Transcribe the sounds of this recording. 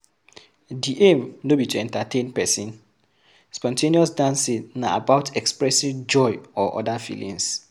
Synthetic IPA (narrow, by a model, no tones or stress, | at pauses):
diʔemnobitʰɛ̃ntatʰẽnpɛsĩn | spɔ̃ntʰẽniɔs̬dãnsinːã̰a̰baʊtʰɛkspɹɛsid͡ʒɔɪɔʔɔ̰dafḭlḭ̃ŋs